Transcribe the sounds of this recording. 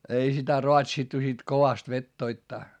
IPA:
ei sitæ roɑtsitːu sit koʋɑst ʋetːoitːɑː

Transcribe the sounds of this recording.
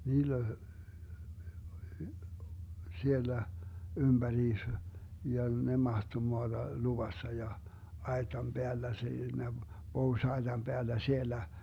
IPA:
niːlː olʲ sielːæ ymb̥æriːs jɑ ne mɑhto moɑd̥ɑ luʋɑsːɑ jɑ ɑetɑm b̥eælːæ siːnæ pohuĭsɑetɑm b̥eælːæ sielːæ

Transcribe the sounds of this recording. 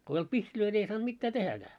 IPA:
ko ei olt pihtiløi ni ei sɑːnt mitːæː tehækæː

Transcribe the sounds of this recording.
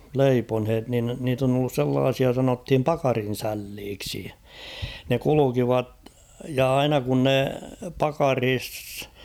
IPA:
leiponhet nin niːt on olːus selːɑːsiɑ sɑnothim pɑkɑrin̞sælːiːksi ne kulukiʋɑt jɑ ɑinɑ kun ne pɑkɑriːs

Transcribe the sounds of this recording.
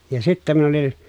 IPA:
jɑ sitːæ min olin

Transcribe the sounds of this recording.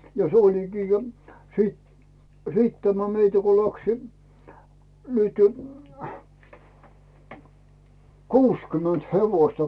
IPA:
jɑ s olikiː jo siːt siːt tæmæ meitæ ko læksi nyty kuːskymønt heʋoĭstɑ

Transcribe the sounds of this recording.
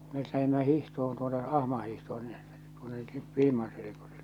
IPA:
met læhimːæ hihtohon tuonːe ɑhmɑ hihtohon si̥n̥ːe̥ tuonːe ʋil̞imɑn selekosill̥e̥n̥

